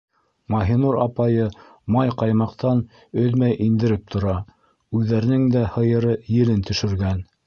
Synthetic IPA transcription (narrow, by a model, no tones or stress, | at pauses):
mɑɦinuɾɑpɑjɤ | mɑjqɑjmɑqt̪ɑn | ɵðmæjʔind̪ɘ̆ɾɘp̚t̪ʰŏɾɑ | ʉðːæɾɘ̆nɘŋd̪æhɤ̆jɤ̆ɾɤjɘ̆lɘnt̪ɵ̆ʃɵ̆ɾɡæn